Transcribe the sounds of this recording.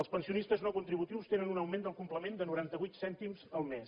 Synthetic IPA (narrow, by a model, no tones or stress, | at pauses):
əlˠspənsiunist̪əznɔkunt̪ɾiβut̪iwst̪enənunəwmend̪əlˠkumpləmend̪ənuɾant̪əβujt̪sɛnt̪imzəlˠmes